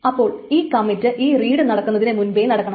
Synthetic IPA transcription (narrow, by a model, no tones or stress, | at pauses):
ɐpːo̞ːɭiːkɐmːitːɨʔiːriːɽɨnɐɽɐkːunːɐðinemunbejnɐɽɐkːɐɳɐ